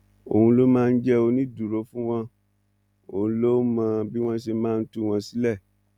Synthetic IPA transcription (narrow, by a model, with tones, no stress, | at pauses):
o̰˨hũ˧lo˦mãː˦˧n̩˦d͡ʒɛ˦o˧nĩ˦du˨ɾo˨˦fũ˦w̃ɔ̃˧ | o˨ũ˧lo˦mã˧bi˦w̃ɔ̃˦ʃe˧mãː˦˧n̩˦tu˦w̃ɔ̃˧si˨˦lɛ˦˨